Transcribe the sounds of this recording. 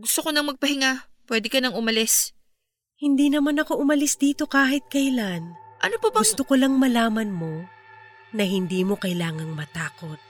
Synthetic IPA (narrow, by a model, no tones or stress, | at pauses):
ɡʊst̪okonɐŋmɐɡ̚pɐhɪŋapwɛd̪ɪkɐnɐŋʊmɐlɛs | hɪnd̪iːnɐmanɐko̞ʔʊmɐlɪsd̪iːt̪o̞kaːɦɪt̪̚kɐjlanʔɐnopɐbst̪okolɐŋmɐlaːmɐnmo̞ | nɐhɪnd̪iːmo̞kɐjlaːŋɐŋmɐt̪aːko̞t̪̚